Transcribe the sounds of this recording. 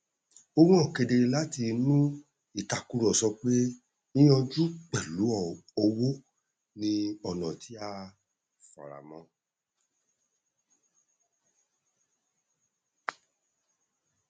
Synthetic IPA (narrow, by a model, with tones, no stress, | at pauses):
o˧wũ˦ɔ˦˨ke˧de˧la˦ti˧nũ˦ | i˦˨ta˨ku˧ɾɔ˨sɔ˧k͡pe˦ | i˦j̃ɔ̃˧d͡ʒu˦k͡pɛ˨lu˨˦ɔ˦˨ɔ˧wo˦ | nĩ˧ɔ˦˨nɔ̃˨tʰi˨˦a˧ | fa̰˨ɾa̰˨mɔ̃˨˦